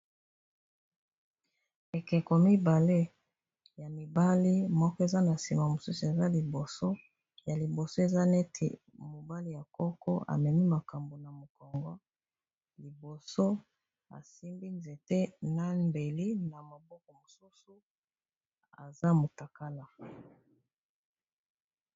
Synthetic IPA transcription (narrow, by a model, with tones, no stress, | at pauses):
e˨kɛ˨ko˨mi˦ba˨le˦ | ja˨mi˨ba˦li˦mɔ˦kɔ˦e˨za˦na˨si˨ma˨mo˨su˦su˨e˨za˦li˨bo˨so˦ | ja˨li˨bo˨so˦e˨za˦ne˦tʰḛ˨mo˨ba˦li˦ja˨kɔ˦kɔ̰˦a̰˨mɛ˨mi˦ma˨ka˨mbo˨na˨mo˨kɔ˨ŋɡɔ˦ | li˨bo˨so˦ | a̰˨si˦mbi˦nze˨te˦na˦mbe˨li˦na˨ma˨bɔ˦kɔ˨mo˨su˦su˦ | a̰˨za˦mo˨ta˨ka˦la˨